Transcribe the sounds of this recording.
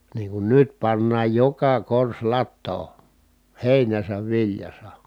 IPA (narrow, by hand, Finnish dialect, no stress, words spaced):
niːŋ kun nyt pɑnːɑːj jokɑ kors lɑtːoː heˑinæsæʋ ʋiljɑsɑ